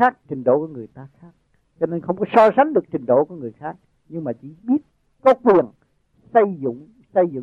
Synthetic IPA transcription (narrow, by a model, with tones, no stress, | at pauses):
aː˦˥k̚t͡ɕï˨˩ŋ̟ɗo̰˧˦ku˨˩˦ŋɨ˨˩əjt̪aː˧xaː˦˥k̚ | t͡ɕɔ˧ne˧nxə˧wŋ͡mkɔ˨˦sɔ˧sa˨˦ŋɗɨ˨˩ək̚t͡ɕï˨˩ŋ̟ɗo̰˧˩ku˨˦ŋɨ˨˩əjxaː˦˥k̚ | ɲɨ˧ŋmaː˨˩t͡ɕḭ˧˩ɓi˦˥ət̚ | kɔ˨˦kwi˨˩ən | sə˧jzɨ̰˧˨ŋ͡m | sə˧jzɨ̰˧˨